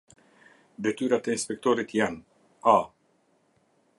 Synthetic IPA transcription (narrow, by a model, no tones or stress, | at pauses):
d̪ɛt̪ʰyːɾat̪einspɛkt̪oɾɪt̪ʰjɛn | aː